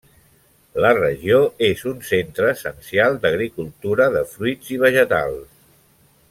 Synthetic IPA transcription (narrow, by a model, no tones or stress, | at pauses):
lərəʒioezunsent̪ɾəːsənsialˠd̪əɣɾikulˠt̪uɾəðəfɾuiziβ̞əʒət̪a̰lˠs